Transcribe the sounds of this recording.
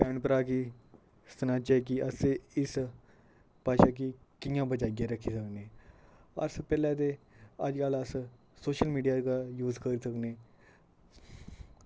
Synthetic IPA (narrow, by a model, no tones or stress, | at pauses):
pɛ̃ɳɖpəɾaki | st̪ənãt͡ɕak̬iʔəseis | paɕak̬ikiŋjãbʱəd͡ʒaɡjaɾəkʰisəkne | ə̰ɾsəpɛljat̪̬ea̰d͡ʒkaləsə | soɕəlmiːɖijakajuːd͡zkəɾisəkne